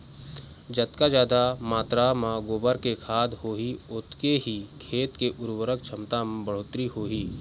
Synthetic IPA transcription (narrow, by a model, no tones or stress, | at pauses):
d͡ʒət̪kad͡ʒaːd̪amaːt̪ɾamãɡoːbəɾkekʰaːd̪hoːɦiʊt̪keɦikʰeːt̪keʔʊɾwəɾək̚t͡ʃʰəmt̪am̃bəɽ̤oːt̪ɾiɦoːɦiː